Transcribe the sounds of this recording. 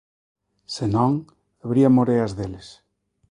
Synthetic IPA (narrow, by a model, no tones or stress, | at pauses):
senõŋ | aβɾiamoɾeɐzðeles